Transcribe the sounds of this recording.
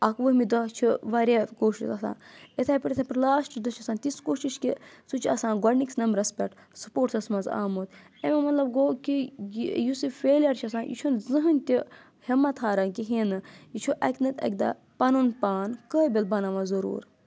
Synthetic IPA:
ɐkʋəɦmid̪ɐt͡ʃʰiʋɐɾʲakoːʃisɐsã̰ːnet̪ʰaːpiʈʲɐt̪ʰapɐɾlaːsʈd̪ɐt͡ʃʰɐsãːnt̪iskoːʃiʃkisut͡ʃʰɐ̰saːnɡɔɐɾniksnɐmbɾɐspʲɐʈ | su̥poːʈsɐsmɐnza̰ːmot̪ | ememɐt̪lɐbɡoːkijusifeːlʲjɐɾt͡ʃʰiɐs̬ãːnjḭt͡ʃʰunzɨɦɨnʲt̪ʲi | hɐmːɐt̪ʰɦaːɾɐnkiɦinɨjit͡ʃʰuʔɐkʲnɐt̪ʲɐ̰k̚ʲd̪a̰ | pɐnunpaːnkəːbʲilbɐnɐʋazɐɾṵːɾ

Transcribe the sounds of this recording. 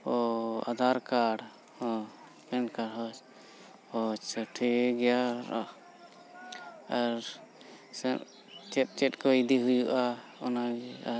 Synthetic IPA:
ɔad̪ʱaɾkaɽ | ɔ | kɛnkaɽɦɔt͡ʃ | ɔt͡ʃəʈʰɛɡɛjaɾɔ | aɾ | sɛ | t͡ʃɛt̪̚t͡ʃɛʈkɔid̪iɦujuʔaɔnaa

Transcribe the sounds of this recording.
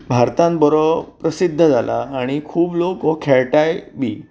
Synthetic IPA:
bʱaɾt̪ãnbɔɾɔpɾəsid̪ʱːəd͡zalʔa̰ːɽ̃ikʰuːblokɔkʰɛɭʈajbʱiː

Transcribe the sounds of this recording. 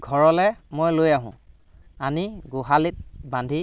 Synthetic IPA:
ɡʱɔɹɔlɛmojlojaɦʊ̰̃ | aniɡuɦalit̚bandʱi

